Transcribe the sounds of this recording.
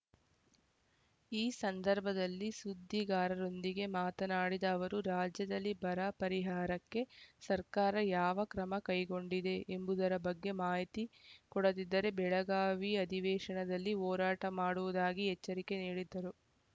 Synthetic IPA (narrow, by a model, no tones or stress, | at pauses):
iːsɐnd̪ɐɾbʱɐd̪ɐlːisud̪ʱːiɡaːɾɐɾo̞nd̪iɡe̞maːt̪ɐnaːɽid̪ɐːʋɐɾuɾaːd͡ʒjɐd̪ɐlːibɐɾɐpɐɾiɦaːɾɐkːe̞sɐɾkaːɾɐjaːʋɐkɾɐmɐkɐjɡo̞ɳɖid̪e̞ʔːmbud̪ɐɾɐbɐɡːe̞maːit̪ikɔɽɐd̪id̪ːɐɾe̞bɛɭɐɡaːʋiɐd̪ʱiʋɛːʂɐɳɐd̪ɐlːiɔːɾaːʈɐmaːɽuʋud̪aːɡiɦɛt͡ʃːɐɾike̞niːɽid̪ːɐɾu